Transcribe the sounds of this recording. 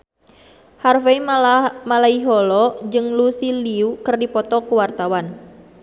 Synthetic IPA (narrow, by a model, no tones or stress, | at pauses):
harfeimalaiɦɔlɔd͡ʒɨŋlusiliukɨrdipɔt̪ɔkuwart̪awan